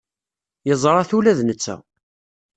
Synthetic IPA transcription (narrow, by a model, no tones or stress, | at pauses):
jəzˤɾˤɑθulæðnət͡sːæ̰